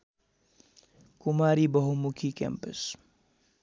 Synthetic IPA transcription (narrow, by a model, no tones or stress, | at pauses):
kumaːɾibɐɦumukʰikḛmpə̰s